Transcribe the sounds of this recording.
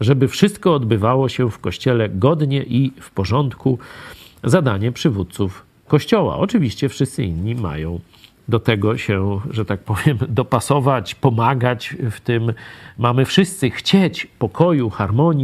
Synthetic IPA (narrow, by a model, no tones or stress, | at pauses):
ʐɛbɘfʂɘst̪̚kɔːd̪bɘvawɔɕɛfkɔɕt͡ɕɛlɛɡɔd̪ɲɛʔifpɔʐɔnt̪ku | zad̪aɲɛpʂɘvut̪̚t̪suf | kɔɕt͡ɕɔwa̰ʔɔt͡ʂɘvʲiɕt͡ɕɛfʂɘst̪sɘḭnːima̰jɔ̃w̃ | d̪ɔt̪ɛɡɔɕɛʐɛt̪ak̚pɔvʲjɛmd̪ɔpasɔvat͡ɕpɔmaɡat͡ɕft̪ɪmmamɘfʂɘst̪sɘxt͡ɕet͡ɕpɔkʰɔjuxaɾmɔɲ